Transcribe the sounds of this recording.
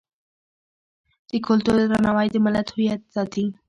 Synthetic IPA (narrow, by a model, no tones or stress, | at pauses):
t̪iːkʰolt̪oɾɾənaʋajt̪iməlat̪ɦujat̪sat̪ʰi